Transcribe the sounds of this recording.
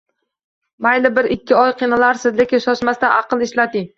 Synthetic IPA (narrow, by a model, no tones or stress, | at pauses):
majlɪbɪɾɪkʲʰːɪɒjqʰinalaɾsɪzlekʲɪnsɒsmast̪anʔɑqɨlˠɪʃlat̪ɪŋ